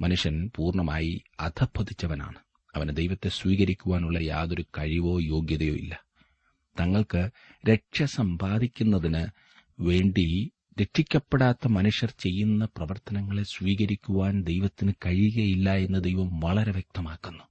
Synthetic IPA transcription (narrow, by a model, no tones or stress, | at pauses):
mɐnuʂjɐnpuːrɳɐma̰ːjiɐd̪ʰʱɐbʱɐðit͡ɕːɐʋɐna̰ːɳɨ | ɐʋɐnd̪e̞jʋɐt̪ːe̞sʋiːɣɐɾikʲːuʋaːnuɭːɐja̰ːðo̞ɾukɐɻiʋo̞ːjo̞ːɡjɐðɐjo̞̰ːḭlːɐ | t̪ɐŋːɐɭkɨ | ɾe̞ʈʂɐsɐmbaːd̪ikʲːunːɐðinɨ | ʋe̞ːɳɖi | ɾe̞ʈʂikʲːɐpːe̞ɽaːt̪ːɐmɐnuʂjɐrt͡ɕe̞jːunːɐprɐʋɐrt̪ɐnɐŋːɐɭe̞sʋiːɣɐɾikʲːuʋaːnd̪e̞jʋɐt̪ːinɨkɐɻiɣɐjilːɐe̞nːɨd̪ejʋɐmʋɐɭɐɾeʋjek̚t̪ɐmaːkːunːu̥